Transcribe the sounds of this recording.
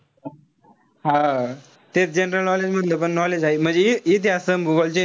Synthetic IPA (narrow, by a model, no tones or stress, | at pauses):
ɦã | t̪et͡sd͡ʑenɾəlnɔled͡ʑm̤ət̪ləp̬əɳnɔled͡ʑaɦim̤əɳd͡zeiit̪̬ʰeəsəmbuʋəlt͡ɕe